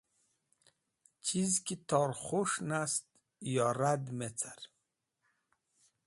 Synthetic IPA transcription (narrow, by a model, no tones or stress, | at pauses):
t͡ʃʰizkit̪ʰɔɾχoʃnast̪ | jɔɾad̪met͡sʰaɾ